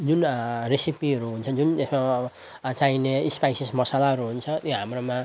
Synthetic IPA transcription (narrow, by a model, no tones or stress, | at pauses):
d͡zunresipiʌɾuɦunt͡sʰʌd͡zunt̪esma | t͡saineispajsismʌsalaɦʌɾuɦunt͡sʰʌt̪joɦamromã